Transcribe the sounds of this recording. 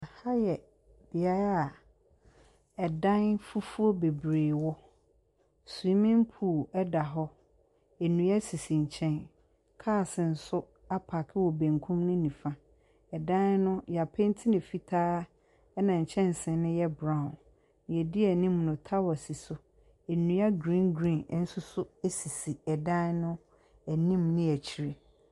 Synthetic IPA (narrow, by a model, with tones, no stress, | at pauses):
ha˦jɛ˨ | b̥i˨a˦ɾa˦a˨ | ɛ˨dã˦nfu˦fu˦o˦be˨bɾeː˨wɔ˦ | su˨i˦mɪ̃˦m˦pʰu˨ɛ˦da˨ɦɔ˦ | e˨nũ˨jɛ˦si˨sĩ˨ɲ̩˨t͡ɕʰɛ̃˦n | kʰaː˦˨sɪ̃˨n̩˨sʊ˦ | a˦pʰa˨kʰɪ˦wɔ˨bæ̃˨ŋkʰũ˦mnʊ̃˦nĩ˨fã˦ | ɛ˨dã˦n˦nʊ̃˦ja˨pʰɪ˦n̩˦tʰɪ˦nɪ̃˨fi˦tʰaː˦ | ɛ˦nã˨ɲ̩˨t͡ɕʰɛ̃˦n˨sɪ̃˨nʊ̃˦jɛ˦bɾã˦˨ʊ̃˨n˨ | ɛ˨di˦ɛ˨nĩ˦mnʊ̃˨tʰa˦wɔ˨si˨sʊ˦ | ɛ˨nũ˨ja˦ɡɾĩ˦nɡɾĩ˦˨n˨˦n̩˦sʊ˦sʊ˦æ˦si˨si˨ɛ˨dã˦nnʊ̃˦ | æ˨nĩ˦mnɪ̃˦æ˨t͡ɕʰi˨ɾe˨